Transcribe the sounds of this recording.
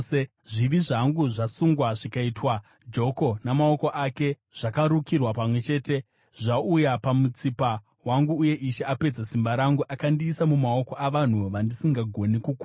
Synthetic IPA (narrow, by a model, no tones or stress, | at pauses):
e | ʐiʋiʐaŋɡuʐasuŋɡwaʐikaiːtwa | d͡ʒo̞ko̞namao̞ko̞ʔake̞ | ʐ̥akaɾukirwapamwe̞t͡ʃe̞ːte̞ | ʐaujapamut͡sipa | waŋɡuːje̞ʔiʃe̞ape̞d͡zasimbaɾaŋɡuʔakandiːsamumao̞koʔaʋan̤uʋandisiŋɡaɡʱo̞nikuku